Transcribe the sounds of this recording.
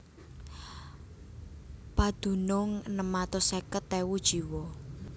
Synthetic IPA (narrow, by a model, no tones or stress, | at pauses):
pad̪̥ṳnʊŋnəmat̪osekət̪ːewud̥ʒ̥i̤wɔ